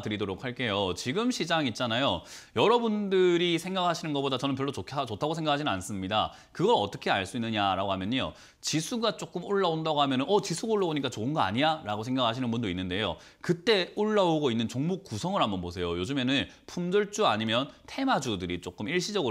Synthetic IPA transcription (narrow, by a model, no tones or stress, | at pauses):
tɯɾidoɾok̚ʰhaɭk͈e̞jot͡ɕiɡɯmɕʰid͡ʑaŋit̚t͡ɕ͈anajojʌɾʌbundɯɾisʰe̞ŋɡakʰaɕʰinɯnɡʌp͈odat͡ɕʌnɯnpjʌɭːot͡ɕokʰt͡ɕotʰaɡosʰeŋɡakʰad͡ʑinɯnans͈ɯmɲida | kɯɡʌɾʌt͈ʌkʰe̞aɭs͈uinːɯɲaɾaɡoɦamjʌɲo̰ | t͡ɕisʰuɡat͡ɕ͈ok͈ɯmuɭːaondaɡoɦamjʌnɯnʔʌt͡ɕisʰuɡauɭːaoɲik͈at͡ɕoɯnɡʌa̰ɲijaɾaɡosʰe̞ŋɡakʰaɕʰinɯnbundoinːɯnde̞jo̰ | kɯt͈e̞uɭːaoɡoinːɯnt͡ɕoŋmuk̚k͈ːusʰʌŋɯɾɦanbʌnbosʰe̞jojod͡ʑume̞nɯn | pʰund͡ʑʌɭt͡ɕ͈uaɲimjʌntʰe̞mad͡ʑudɯɾit͡ɕ͈ok͈ɯmiɭɕ͈id͡ʑʌɡɯ